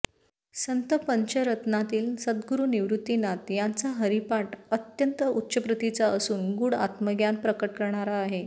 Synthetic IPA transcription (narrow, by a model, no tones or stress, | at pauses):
sənt̪əpəɲt͡ɕəɾət̪nat̪iːlsəd̪ɡuɾuːniʋɾut̪ːinat̪jant͡saɦəɾipaʈət̪jənt̪əutːɕəpɾət̪it͡saəsuːnɡuːɽa̰t̪məɡjanpɾəkəʈ̚kəɾɳ̃aɾaːɦe